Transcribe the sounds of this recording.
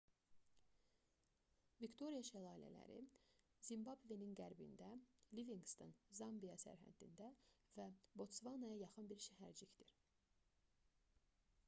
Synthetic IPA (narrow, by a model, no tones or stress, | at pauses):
vikt̪ʰo̞ɾijɑʃælˠɑːilæ̰læ̰ɾḭzimbɑbve̞ninɡæɾbḭnd̪æliviŋɡst̪ʰonzɑmbijɑsæ̰ɾɦæ̰d̪ːḭnd̪ævæbo̞t̪svɑnɑjɑjɑχɯnbiɾʃæɦæɾd͡ʒicd̪iɾ